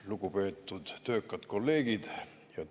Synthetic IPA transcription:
lukupe̞ːt̪ːud̪̥t̪øːkːɑt̪kolːe̞ːɡ̥id̪̥ | jɑ

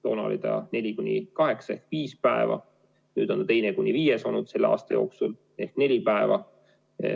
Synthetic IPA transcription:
t̪o̞ːnɑo̰lit̪ɑ̰ne̞lʲikunʲːikɑɦe̞ksɑehkviːspæevɑ̰ | nyːd̪̥o̞nt̪t̪e̞jnekunʲːiviːjeso̞nud̪̥se̞lːɑ̰ːst̪ɑjo̞̰ːksul | e̞hkne̞lʲipæevɑ

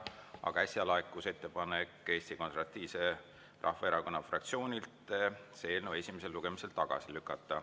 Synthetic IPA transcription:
ɑ̰ɡ̥ɑæsjɑlɑekːˑuse̞t̪ːe̞pɑne̞kːˑe̞ːst̪iko̞nseɾvɑt̪ˑːiːvse̞ | rʔɑ̰hːɑeɾɑko̞nːɑfrɑk̚t̪sio̞ːnʲilt̪seeːlnove̞sʲimese̞lːuɡ̥e̞mise̞lt̪ɑɡ̥ɑ̰silykːˑɑt̪ˑːɑ

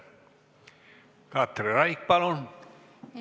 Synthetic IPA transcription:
kɑt̪reɾɑik̚pɑlon

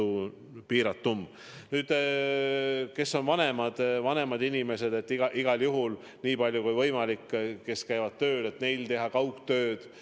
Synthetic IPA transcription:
u | piːɾɑt̪ːum | nyːd̪̥ | ke̞sːo̞nvɑne̞mɑd̪̥vɑne̞mɑd̪̥inʲime̞se̞d̪e̞t̪ːˑiɡ̥ɑʔiɡ̥ɑljuɦul | niːpɑlʲjukujvɤjmɑlikːke̞skæjvɑd̪̥̚t̪ø̞ːd̪e̞t̪ne̞jlt̪e̞ɦɑkɑwkt̪ø̞ːd̪̥

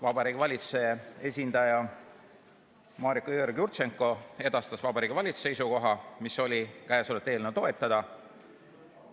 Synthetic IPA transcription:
vɑbɑɾiːɡ̥ivɑlʲit̪su̥se̞e̞sʲind̪̥ɑjɑ | mɑːɾikojøːɾɡjurt̪se̞ŋkːˑo̞e̞d̪̥ɑst̪ɑsvɑbɑɾiːɡ̥ivɑlʲit̪su̥seijsuko̞ɦɑmiso̞lʲikæjsolet̪ːeːlnet̪o̞e̞t̪ːˑɑd̪̥ɑ

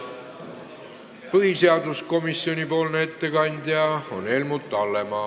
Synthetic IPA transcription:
pɤɦise̞ɑd̪usko̞misːjo̞nʲipo̞ːlnee̞t̪ːe̞kɑnʲd̪̥jɑo̞ne̞lmut̪ːɑlːe̞mɑ

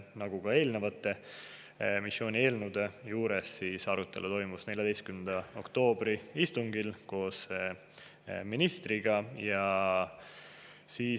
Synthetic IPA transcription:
nɑɡuɡ̥ɑe̞ːlnevɑt̪ːˑe̞ | misːjo̞ːnʲie̞ːlnud̪̥e̞juːɾe̞sːiːsɑɾut̪ːˑe̞lut̪o̞jmusne̞lʲjɑd̪ejst̪kymnend̪̥ɑo̞̰kt̪o̞ːbɾiist̪uŋɡilko̞ːs | minist̪ɾiɡ̥ɑjɑ | siː

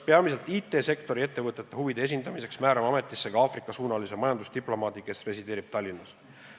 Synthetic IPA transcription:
peɑmise̞lt̪ˑiːt̪ːˑe̞ːse̞kt̪o̞ɾie̞t̪ːe̞vɤt̪ˑːet̪ːˑeɦuvid̪̥e̞es̬ʲind̪ɑmise̞ksmæːɾɑmɑme̞t̪ːˑisːe̞ɡ̥ɑɑːfrikːˑɑsuːnɑlise̞mɑjɑnd̪ust̪iplo̞mɑːd̪ikesre̞sid̪e̞ːɾib̥t̪ɑlʲːinːɑs

